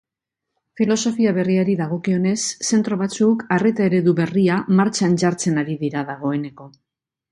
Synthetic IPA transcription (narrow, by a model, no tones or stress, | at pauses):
filo̞so̞fiaβ̞e̞riaɾiðaɣ̞o̞kio̞ne̞sːe̞nt̪ɾo̞β̞at͡sukare̞t̪ae̞ɾe̞ðuβe̞riamaɾt͡sant͡ʃaɾt͡se̞naɾiðiɾaðaɣ̞o̞e̞ne̞ko̞